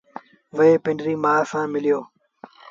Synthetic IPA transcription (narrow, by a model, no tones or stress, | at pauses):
ʋəeːpɪ̃ɳɖɾiːmaːsãːmɪlɪjoː